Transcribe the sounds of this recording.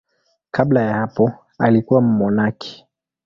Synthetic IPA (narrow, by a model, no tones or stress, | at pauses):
kʰablajahapɔ | alikuwam̩mɔnakʰi̥